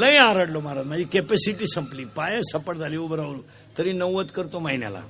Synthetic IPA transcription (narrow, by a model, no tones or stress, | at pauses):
ləjaɾəɽlomaɾat̪mad͡ʑikepesiʈiːsəmpliːpajə̃səpəʈd͡zʱaliobəɾaʋɾu | t̪əɾinəʋʋət̪kəɾt̪omaɦinja̰la̰